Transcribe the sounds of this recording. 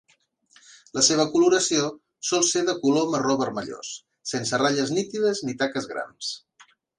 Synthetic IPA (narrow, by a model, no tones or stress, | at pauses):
ləseβ̞əkuluɾəsio | sɔlˠseðəkuloməroβəɾməʎo̰sː | ensəraʎəznit̪iðəznit̪akəzɣɾa̰ms